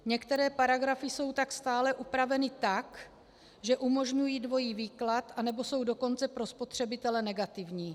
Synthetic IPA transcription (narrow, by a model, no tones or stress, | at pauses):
ɲɛkt̪ɛɾɛːpaɾaɡɾafɪso̞wt̪akst̪aːlɛʔupɾavɛnɪt̪ak | ʒɛʔumo̞ʒɲujiːdvo̞jiːviːklat̪ʔanɛbo̞so̞wdo̞ko̞nt͡sɛpɾo̞spo̞t̪r̝̥ɛbɪt̪ɛlɛnɛɡat̪ɪvɲiː